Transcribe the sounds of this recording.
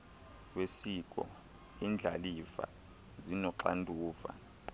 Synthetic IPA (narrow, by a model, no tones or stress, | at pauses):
wesik̬ʼɔ̰ | iːnd͡ɮʱalifa̰ | zinɔǁa̰ndʱuːva̰